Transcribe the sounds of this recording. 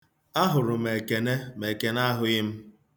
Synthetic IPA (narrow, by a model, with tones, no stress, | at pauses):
a˦ɦʊ˨ɾʊ˨me˨ke˨ne˦me˨ke˨na˦ɦʊ˦ɪ˦m̩˦